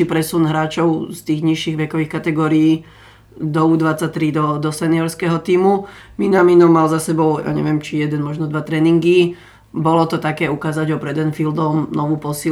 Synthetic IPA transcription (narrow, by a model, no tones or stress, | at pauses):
ipɾɛsunɦɾaːt͡ʃɔʊst̪iːɣɲiʃiːɣʋɛkɔʋiːxkat̪ɛɡɔːɾiiː | d̪ɔud̪ʋat͡sːat̪ːɾid̪ɔd̪ɔsɛniɔɾskɛɦɔt̪iːmu | minaminɔmalzasɛbɔʊja̰ːɲɛ̰ʋɪɛmt͡ʃijɛd̪ɛnmɔʒnɔd̪ʋat̪ɾɛːniŋɡi | bɔlɔt̪ɔt̪akɛːukaːzaɟɔpɾɛd̪ɛnfild̪ɔmnɔʋupɔsi